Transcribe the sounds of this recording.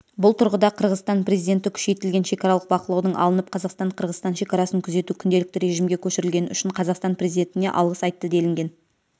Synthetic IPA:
bʊlˠt̪ʰʊɾʁəd̪ɑqʰəɾʁəzst̪ɑnpɾe̞zijd̪ʲe̞nt̪̬ɪkʲʰʏ̥ʃe̞jt̪ɪlɡʲe̞nʃe̞kɑɾɑlˠəq̚bɑqəlˠɑwd̪əɴʔɑ̰lˠənəp̚qʰɑzɑqst̪ɑɴqʰəɾʁəzt̪ɑnʃe̞kɑɾɑsəŋkʲʰʏze̞t̪ukʲʰʏnd̪e̞lɪk̚t̪ɪɾe̞ʒɪmɡʲe̞kʲʰɵʃɪɾɪlɡʲe̞nʏ̰ʃɪɴqʰɑzɑqst̪ɑnprʲe̞zid̪ʲe̞nt̪ɪne̞̰ʔɑ̰lˠʁəsɑjt̪ːəd̪e̞lɪŋɡʲe̞n

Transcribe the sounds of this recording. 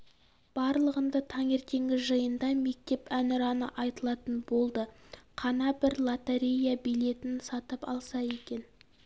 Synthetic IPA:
b̥ɑɾlˠəʁənd̪ət̪ʰɑŋe̞ɾt̪e̞ŋɡʲɪʒəjənd̪ɑme̞k̚t̪e̞pænɪɾɑnəʔɑjt̪əlˠɑt̪ənbo̞lˠd̪əqʰɑnɑbɪɾlˠat̪eɾʲejabijle̞t̪ɪnsɑt̪əpɑ̰lˠsɑje̞kʲe̞n

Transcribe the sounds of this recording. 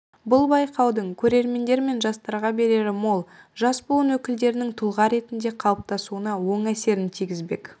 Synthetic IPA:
bʊlˠbɑjqɑwd̪əɴkʲʰɵɾe̞ɾme̞nd̪e̞ɾme̞nʒɑst̪ɑɾʁɑbe̞ɾe̞ɾɪmolˠ | ʒɑsbolˠənwɵkʲɪld̪e̞ɾɪnɪŋt̪ʰʊlˠʁɑɾe̞t̪ɪnd̪e̞qʰɑlˠəp̚t̪ɑsuənɑwo̞ɴæse̞ɾɪnt̪ʰijɡʲɪzbe̞k

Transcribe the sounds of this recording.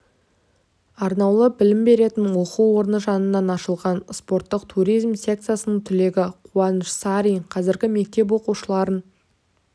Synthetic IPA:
ɑɾnɑwlˠəbɪlɪmbe̞ɾe̞t̪ɪnwo̞quwːo̞ɾənəʒɑnənːɑnɑʃəlˠʁɑnspo̞ɾt̪ːəqt̪ʰuɾijzmsʲe̞k̚t̪sɨjasənəɴt̪ʰʏle̞ɡʲɪqʰuɑnəʃsaɾiqʰɑzɪɾɡʲɪme̞k̚t̪e̞p̬wo̞quʃəlˠɑɾən

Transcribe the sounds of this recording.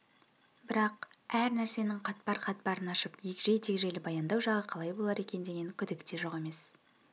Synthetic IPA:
bɪɾɑq | æɾnæɾse̞nɪŋqʰɑt̪̚pɑɾqʰɑt̪̚pɑɾənɑʃəpje̞kʲɪʒe̞jt̪ʰekʲʒe̞lɪbɑjɑnd̪ɑwʒɑʁəqʰɑlˠɑjbo̞lˠɑɾe̞kʲe̞nd̪e̞ɡʲe̞ŋkʲʰʏd̪ɪkt̪e̞ʒo̞ʁe̞me̞s

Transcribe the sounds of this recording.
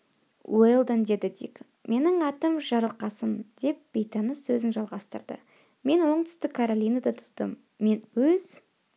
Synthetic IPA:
welˠd̪ənd̪e̞d̪ɪd̪ḭk | mʔe̞nɪŋɑt̪əmʒɑɾəlˠqɑsənd̪̥e̞p̚b̥ejt̪ɑnəsɵzɪnʒɑlˠʁɑst̪əɾd̪ə̰ | me̞nwo̞ɴt̪ʰʏ̥st̪ɪkʰːaɾolʲijnad̪at̪ʰʊ̥d̪̥ə̰mː | e̞nwɵz̥

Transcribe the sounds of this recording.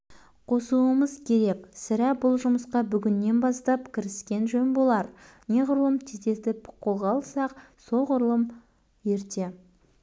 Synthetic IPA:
qʰo̞suəməzkʲʰe̞ɾe̞ksɪɾæbʊlˠʒʊməsqɑbʏɡʲɪnːe̞nbɑst̪ɑpkʲʰɪɾɪskʲe̞nʒɵnbo̞lˠɑɾ | ne̞ʁʊɾuəmt̪ʰed̪et̪ɪpqʰo̞lˠʁɑːlˠsɑq | so̞ʁʊɾlˠəm | je̞ɾt̪e

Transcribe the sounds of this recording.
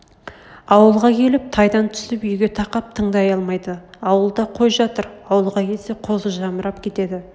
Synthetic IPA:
ɑwəlˠʁɑkʲʰe̞lɪp̚t̪ʰɑjd̪ɑnt̪ʰʏ̥sɪpʏjɡʲe̞t̪ʰɑqɑp̚t̪ʰəɴd̪ɑjɑlˠmɑjd̪əɑwəlˠd̪ɑqʰo̞jʒɑt̪əɾɑwəlˠʁɑkʲʰe̞lse̞qʰo̞zəʒɑməɾɑp̚kʲʰe̞t̪e̞d̪ɪ

